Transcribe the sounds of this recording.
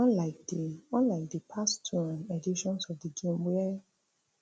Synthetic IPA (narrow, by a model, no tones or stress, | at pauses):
ɔ̃laɪk̚diɔ̃nlaɪk̚dipʰastʰuãnɛdiʃɔ̃nsɔfdiɡẽmwɛ